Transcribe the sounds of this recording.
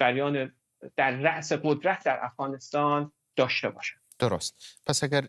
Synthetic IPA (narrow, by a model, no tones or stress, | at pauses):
d͡ʒæɾjɒːne | d̪̥æɾːæʔseɢod̪ɾæt̪ʰd̪æɾʔæfɣ̥ɒːne̞st̪ɒːn | d̪̥ɒːʃt̪e̞bɒ̰ːʃænd̪̥oɾost̪pʰæsæɡʲæɾ